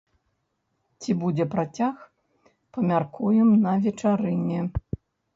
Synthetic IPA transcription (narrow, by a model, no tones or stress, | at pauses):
t͡sʲibud͡zʲɛpɾat͡sʲax | pɐmʲarkʰujɛmnɐvʲɛt͡ʂaɾɨnʲɛ